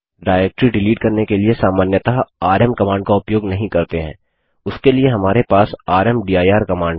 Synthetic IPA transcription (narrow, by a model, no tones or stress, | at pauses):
ɖaːɾɛːk̚ʈɾiɖɪliːʈ̚kɐɾnekeliesaːmaːnjət̪aaːɾɛmkɐmãːɳɖkaʊpjoːɡnɐɦĩkɐɾt̪eɦɛ̰̃ː | ʊskelieɦɐmaːɾepaːsaːɾɛmɖiːaːjaːɾkɐmãːɳɖ